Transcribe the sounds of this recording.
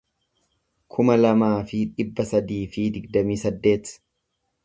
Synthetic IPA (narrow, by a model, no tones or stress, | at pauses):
kʰʊmɐlɐmaːfɪᶑɪbːɐsɐd̪iːfɪd̪ɪɡd̪ɐmiːsɐd̪ːe̞ːt̪